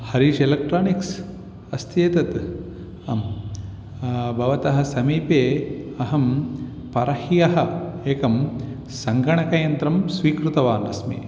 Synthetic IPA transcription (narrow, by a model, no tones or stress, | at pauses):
hɐɾiʃelɐk̚ʈɾaːniks | ɐst̪jeːt̪ɐt̪ | ɐm | bʱɐʋɐt̪ɐɦɐ̆sɐmiːpeːɐɦɐm | pɐɾɐhijɐɦɐeːkɐm | sɐŋɡɐɳɐkɐjɐnt̪ɾɐmsʋiːkɾut̪ɐʋaːnɐsmḛː